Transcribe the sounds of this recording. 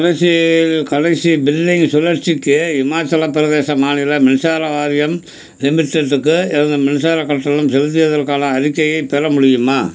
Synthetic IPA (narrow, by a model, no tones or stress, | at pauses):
kɐɽɐɪsilkɐɽɐɪsibɪlːɪŋɡsʊlːɐʈt͡ʃɪkːɯɪmaːt͡ʃːɐlɐpːɪɾɐðeːsɐmaːnɪlɐmɪnɪsaːɾɐʋaːɾɪjɐm | lɪmɪʈːeʈːɯkːɯɪɾɐnd̪ɯmɐnɪsaːɾɐkːɐʈːɐlɯmsɛlt̪̬ːɪjɐðɐɾkaːlɐɐɾɪkːɐjɐɪpːɛːɾɐmʊɽɪjɯmaː